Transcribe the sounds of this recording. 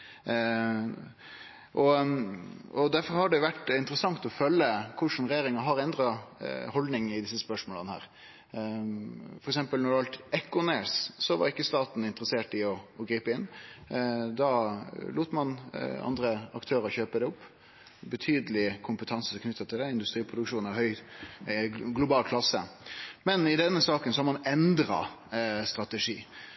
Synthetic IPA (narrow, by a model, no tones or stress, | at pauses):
ʔɔ | ɔd̪æɾfɔɾhɑɖɛʋæʈɪnt̪ɾəsɑŋt̪ɔfœlːəkʰʊʂnɾɛjeːɾɪŋɑɦɑɾɛnd̪ɾɑhɔld̪nɪŋɪd̪ɪsːəspœʂmoːlənhæ̰ːɾ | fɔɾɛks̬ɛmpəlnɔd̪ɛʋɑlt̪ɛkːʊnessɔʋɑ̰ɾɪkːəst̪ɑːt̪n̩ɪnt̪əɾəseːʈɪɔɔɡɾiːpəɪnː | d̪ɑluːt̪mɑnɑ̰nd̪ɾəɑ̰kt̪ʰøːɾəɾçøːpəd̪ɛʊpː | bət̪ʰyːd̪əlɪkʰʊmpət̪ʰɑnsəkʰnʏt̪ːɑt̪ʰɪld̪ɛɪnd̪ʉst̪ɾiːpʰʁʊd̪ʉkʂuːnæhœʏ | ɡlʊbɑːlkʰlɑsːə̰mɛnɪd̪ɛnːəsɑːkənsɔhɑɾmɑnɛnd̪ɾɑ̰ | st̪ɾɑt̪ɛʂḭː